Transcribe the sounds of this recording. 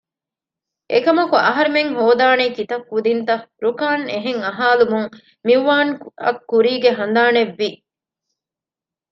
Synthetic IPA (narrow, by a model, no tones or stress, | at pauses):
ʔḛkɐmɐkuɐɦɐɾemeŋɦoːd̪aːnekit̪ɐkːud̪int̪ɐɾukaːneɦeŋɐɦaːlumuŋ | miʋːaːnɐ̰kːuɾiːɡeɦɐnd̪aːneʋːi